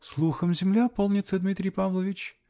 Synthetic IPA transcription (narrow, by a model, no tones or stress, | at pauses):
slˠuxəmzʲɪmlʲapolˠnʲɪt̪səd̪mʲit̪ɾʲɪjpavlˠəvʲɪt͡ɕ